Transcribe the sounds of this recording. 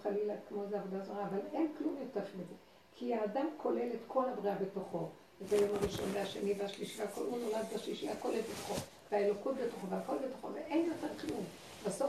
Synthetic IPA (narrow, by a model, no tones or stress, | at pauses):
χalilakmo̞zeavod̪azoʁaːvalenklumjiftaχimeze | kʰiaːdamkʰo̞le̞letko̞lhabʁiabetoχo̞ | etajo̞mhaʁiʃo̞̰nveaʃeniveaʃliʃiveakolunolad̪baʃliʃiakoleltbet̪o̥χo | veaelo̞kutbetoχoveako̞lbe̞to̥χo̞̰veʔenjo̞teʁχijun | baso